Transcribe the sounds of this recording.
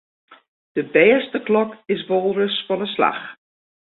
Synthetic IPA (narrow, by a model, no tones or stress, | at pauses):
d̥əbɛːstəklɔkɪs̬ʋolˠrəsfɔnəsla̰x